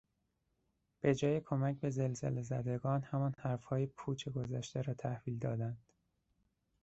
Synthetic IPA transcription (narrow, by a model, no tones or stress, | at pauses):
b̥e̞d͡ʒɒːjekʰo̞mæc̚be̞ze̞lzḛlezæd̪eɡɒːnhæmɒnhæɾfhɒːjepʰuːt͡ʃʰeɡo̞zæʃt̪eɾɒːt̪ʰæhv̥iːld̪ɒːd̪ænd̪̥